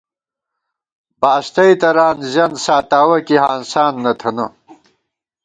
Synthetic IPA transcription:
baːst̪ɐjt̪ɐɾaːnzjɐnsaːt̪aːwɐkiɦaːnsaːnːɐt̪ʰɐnɐ

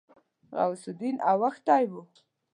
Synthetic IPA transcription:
ɣa̰wsud̪inawaxt̪ajwu

